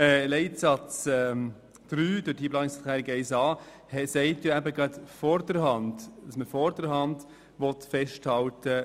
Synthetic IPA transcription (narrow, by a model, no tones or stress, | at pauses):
ɛːlɛɪtsɑt͡sɛm | d̪̥ɾyːd̥ʊd̥iplɑːnɪksɑt̪ʰæːɾiɡɛɪsɑː | hɛsɛɪtjoæbəɡɾɑt̪fɔɾdəɾhɑnd̥dɑsməfɔɾd̥əɾhɑnd | ʋɔt̪fɛʃthɑltə